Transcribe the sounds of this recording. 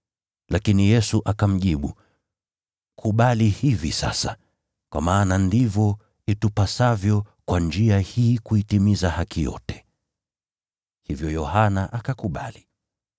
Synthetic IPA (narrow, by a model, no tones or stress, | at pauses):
lʔakinijɛsuʔakam̩ʄiɓu | kʰuɓalihivḭsa̰sa | kwa̰maːnandivjɔ | itupasavjɔkwand͡ʒiahiːkuitimizahakijɔ̰tɛ̥ | hivjɔjɔhanaʔakakuɓa̰li